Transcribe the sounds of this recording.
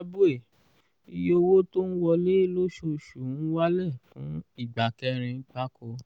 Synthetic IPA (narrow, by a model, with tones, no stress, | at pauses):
bu˦e˦˨ | i˧jo˧wo˦to˦n̩˦wɔ˧le˦˨lo˦ʃo˧˨ʃũ˨˦wa˦lɛ˦˨fũ˨˦i˦˨ɡ͡ba˨kɛ˧˦ɾ̃ĩ˧k͡pa˦kɔ˧˦